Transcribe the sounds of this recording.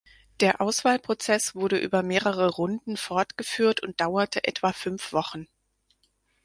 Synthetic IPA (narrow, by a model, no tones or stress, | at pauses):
d̥eːɐʔaʊsv̥aːlpʁ̥ot͡sɛsv̥ʊɐɾəʔyːbɐmeːʁəʁ̞əʁʊndn̩fɔɐtɡ̥əfyːɐtʊnt̚d̥aʊɐtʰəʔɛ̰tv̥afʏnfv̥ɔχn̩